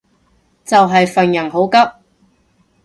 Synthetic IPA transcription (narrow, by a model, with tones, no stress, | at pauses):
t͡sɐ˨wɦɐ˨jfɐ˨ŋjɐ˨˩ŋɦo˨˥wkɐ˥p̚